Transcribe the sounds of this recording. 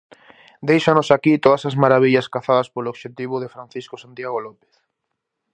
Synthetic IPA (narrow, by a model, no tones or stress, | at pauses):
d̪ejʃanosakit̪oðasazmaɾaβiʎɐskaθaðɐspoloβʃet̪iβʊðefɾanθiskosant̪jaɣolɔpe̥θ